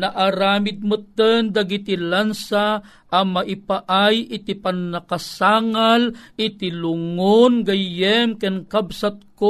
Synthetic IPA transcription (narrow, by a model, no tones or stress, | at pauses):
naʔaɾaːmɪd̪̚mut̪ənd̪aɡit̪ilansa | ʔɐmaʔɪpaʔajʔɪt̪ipanːɐkasaːŋalʔɪt̪ilʊŋonɡɐjɛmkɛnkabsat̪̚ko